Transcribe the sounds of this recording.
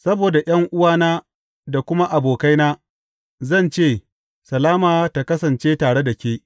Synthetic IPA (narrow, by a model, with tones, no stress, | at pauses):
sɐ˦boː˨da˨j̰ɐ˦ŋʔʊ˦waː˦naː˦ | da˨kʷʊ˦ma˦ʔa˨boː˨ka˦jnaː˦ | zɐ˦˨nt͡ʃeː˦˨ | sɐ˨laː˦maː˨ta˨kɐ˦sɐ˨nt͡ʃeː˦taː˨ɽe˦da˨kʲeː˦